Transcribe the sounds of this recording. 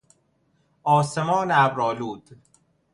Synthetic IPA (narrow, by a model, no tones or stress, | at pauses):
ɒːsemɒːneæbɾɒːluːd̪̥